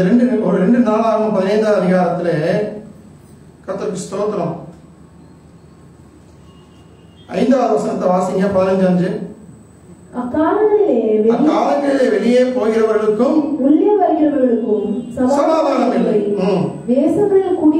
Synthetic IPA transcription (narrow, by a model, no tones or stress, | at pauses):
ɐɾɛɳɖɯɔɾɯɾɛɳɖɯnaːlaːɾɐmɐpɐðɪnɐɪnd̪aːðɐðɪɣaːɾɐt̪ːɪle | kɐɾt̪ːɐkːɯst̪oːt̪ːɐnɐ̃ː | ɐ̰ɪnd̪aːðɯʋɐsɐnɐt̪ːɐʋaːsɪŋɡɐpaːlɐɲd͡ʒaːɲd͡ʒɯ | ɐkːaːlɐɐɪleːʋɛɐkːaːlɐŋɣɐɭɪleːʋɛɭɪjeːpoːɣɪɾɐʋɐɾɣɐɭɯkːɯmʊlːjɐʋɐɾɣɪɾɐʋɐɣɐɭɯkːɯmsɐsɐmaːðaːɾɐmɪlːɐ | d̪eːsɐŋɡɐɐɭkuːɽ